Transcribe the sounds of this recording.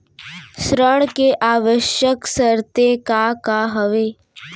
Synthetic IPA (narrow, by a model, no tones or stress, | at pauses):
sɾəɽ̃keʔaːʋəʃjəksəɾt̪ekakaɦəʋeː